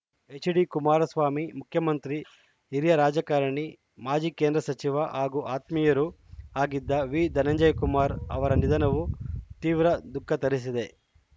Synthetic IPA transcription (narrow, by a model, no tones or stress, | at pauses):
et͡ʃiɽikumaːɾɐsʋaːmimukʰjɐmɐnt̪ɾi | iɾjɐɾaːd͡ʒɐkaːɾɐɳi | maːd͡ʒiːkend̪ɾɐsɐt͡ʃiʋɐʔɦaːɡuʔaːt̪mijɐɾu | aːɡid̪ːɐʋiːd̪ɐnɐɲd͡ʒɐjkumaːɾɐ̰ʋɐɾɐnid̪ɐnɐʋut̪iːʋɾɐd̪ukʰːɐt̪ɐɾis̬id̪e̞